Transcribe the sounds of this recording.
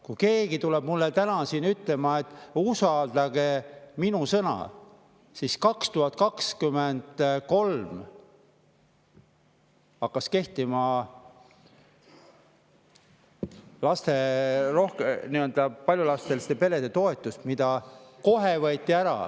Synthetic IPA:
kujke̞ːɡ̥it̪uleb̥mulːet̪ænɑsinyt̪le̞mɑe̞t̪ːˑusɑld̪̥ɑɡ̥e̞minusɤnɑ̰ | siskɑkst̪uhɑt̪̚ːˑkɑkskymend̪̥ko̞lm | ɑkːɑske̞ht̪imɑ | lɑst̪e̞ro̞hkeniøld̪ɑpɑlʲjulɑst̪elist̪epe̞le̞d̪̥e̞t̪o̞et̪ˑːust̪mid̪̥ɑko̞ɦevɤːt̪ʲːˑiæɾɑ̰

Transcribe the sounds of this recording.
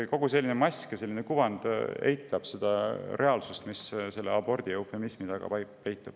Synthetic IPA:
ko̞ɡuse̞lːinemɑsʲkese̞lːinekuvɑnd̪̥e̞̰jt̪ːˑɑb̥se̞d̪̥ɑɾʔe̞ɑlsust̪misse̞lːeɑbo̞rd̪̥iewfe̞mismit̪ɑɡ̥ɑ̰pjpejt̪ːˑɑb̥

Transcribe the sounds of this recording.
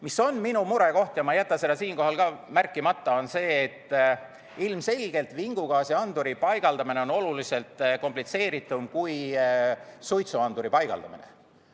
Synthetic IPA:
miso̞nminumuɾe̞ko̞ht̪jɑmɑjæt̪ːˑɑsed̪ɑsiːnko̞ɦɑlkɑːmærkːˑimɑt̪ːˑɑo̞nse̞ːt̪ːˑ | ilmse̞lʲɡ̥e̞lt̪viŋɡ̥uɡ̥ɑːsiɑnd̪̥uɾipɑjɡ̥ɑld̪ɑmineo̞no̞lulise̞lt̪ˑko̞mplit̪se̞ːɾit̪ːˑumkuj | sujt̪suɑnd̪̥uɾipɑjɡ̥ɑ̰ld̪̥ɑminḛ

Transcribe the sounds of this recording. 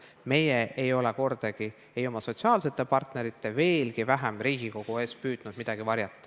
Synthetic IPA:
me̞jeʔejo̞leko̞rd̪̥ɑɡ̥i | e̞jo̞mɑso̞t̪siɑːlse̞t̪ːˑe̞pɑrt̪ne̞ɾit̪ːˑe̞ve̞ːlɡivæɦæmriːɡ̥iko̞ɡ̥ue̞ːspyːd̪̥nud̪̥mid̪̥ɑɡ̥ivɑɾjɑt̪ˑːɑ̥

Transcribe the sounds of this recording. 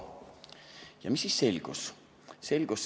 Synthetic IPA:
jɑmisːisse̞lʲɡ̥us | se̞lʲɡ̥us

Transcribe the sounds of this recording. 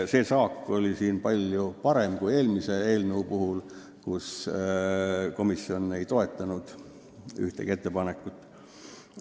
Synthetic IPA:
se̞ːsɑːkːˑo̞lʲisiːnpɑlʲjupɑɾe̞mkuje̞ːlmise̞e̞ːlneupuɦul | kus | ko̞misio̞ne̞jt̪o̞e̞t̪ːˑɑnud̪̥ | y̰ht̪eɡ̥e̞t̪ːepɑne̞kːˑut̪ːˑ

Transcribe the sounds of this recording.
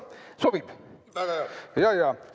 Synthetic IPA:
sob̥ib̥ | jɑjɑ

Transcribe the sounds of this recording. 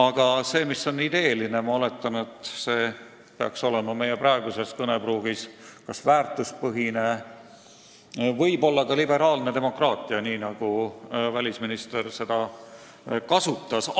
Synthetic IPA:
ɑɡ̥ɑse̞ːmiso̞nid̪e̞ːline̞mɑole̞t̪ːˑɑne̞t̪ːˑse̞ː | peɑ̰kso̞le̞mɑme̞jeprɑe̞ɡ̥use̞skɤne̞bruːɡ̥iskɑsvæːrt̪ːˑuspɤɦine̞ | vɤjbo̞lːɑkɑlibe̞ɾɑːlne̞d̪e̞mokrɑːt̪ˑiɑniːnɑɡ̥uvælʲisminist̪e̞rse̞d̪̥ɑ | kɑsut̪ˑːɑs

